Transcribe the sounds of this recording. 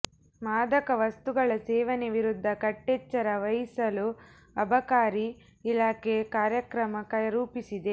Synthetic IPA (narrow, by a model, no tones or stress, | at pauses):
maːd̪ɐkɐʋɐst̪uɡɐɭɐseːʋɐneʋiɾud̪ʱːɐkɐʈːet͡ʃːɐɾɐʋɐjisɐlu | ɐbɐkaːɾiː | laːkekaːɾjɐkɾɐmɐkɐjɐɾuːpisid̪e̞